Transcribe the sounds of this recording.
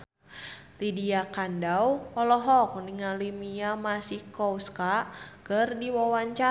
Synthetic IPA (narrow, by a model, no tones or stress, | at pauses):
t̪idiakandawɔlɔɦɔk̚niŋalimiamasihkɔuskakərdiwɔwaɲt͡ʃa